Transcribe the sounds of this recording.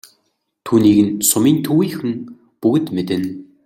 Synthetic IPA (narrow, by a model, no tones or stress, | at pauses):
t̪ʰuːniːɣɘ̆nsʊmiːnt̪ʰɵwiːxɘ̆ŋ | pɵɣɘ̆t̪met̪ɘ̆n